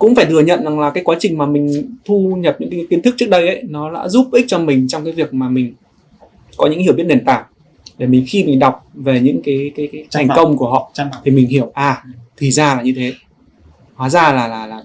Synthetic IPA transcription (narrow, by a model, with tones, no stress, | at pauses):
kʊ̰˧˥ŋ͡mfaː˧˩t̪ʰɨ˨˩əɲə̰˧˨nza˨˩ŋlaː˨˩kaː˨˦jkwaː˨˦t͡ɕï˨˩ŋ̟maː˨˩mï˨˩ŋ̟t̪ʰu˧ɲə˨˩p̚ɲɨ̰˧˥ŋkːa˨˦ki˨˦nɨ˦k̚ɨ˦˥k̚ɗə˧jʔə˨˦jnɔ˨˦la̰ː˧˥zu˦˥p̚ʔi˦˥t͡ɕɔ˧mï˨˩ŋ̟t͡ɕɔ˧ŋ͡mkaː˨˦vi˨˩ək̚maː˨˩mï˨˩ŋ̟ | kɔ˨˦ɨ̰˧˥˧i˧˩wɓt̚ɗe˨˩nt̪aː˧˩ŋ | ɗe˧˩mï˨˩ŋ̟xi˧mï˨˩ŋ̟ɗa˨˩wk͡p̚ve˨˩ɲɨ̰˧˥ŋkaː˨˦jkaː˨˦jt̪ʰa˨˩ŋkə˧wŋ͡mku˧˩əɦɔ̰˧˨t̪ʰi˨˩mï˨˩ŋ̟hi˧˩əwʔaː˨˩t̪ʰi˨˩zaː˧laː˨˩ɲɨ˧t̪ʰe˨˦ | kwaː˨˦zaː˧˩laː˨˩laː˨˩laː˨˩